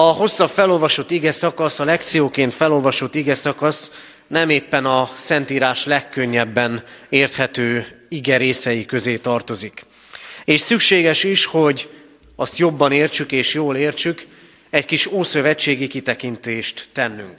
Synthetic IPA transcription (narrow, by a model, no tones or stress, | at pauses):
ɒɦo̞sːɒbfɛlo̞lvɒʃo̞t̪ːiɡɛsɒkɒsɒlɛkt̪sijoːkeːnt̪fɛlo̞lvɒʃo̞t̪ːiɡɛsɒkɒs | nɛmeːpːɛnɒsɛnt̪iːɾaːʃlɛkːøɲːɛbːɛneːrt̪hɛt̪øːiɡɛɾeːsɛjikø̞zeːt̪ɒrt̪o̞zik | eːʃsykʃeːɡɛʃiʃho̞ɟ | ɒst̪jo̞bːɒneːrt͡ʃykeːʃjoːleːrt͡ʃyk | ɛckiʃoːsø̞vɛt͡ʃːeːɡikit̪ɛkint̪eːʃt̪ːɛnːyŋk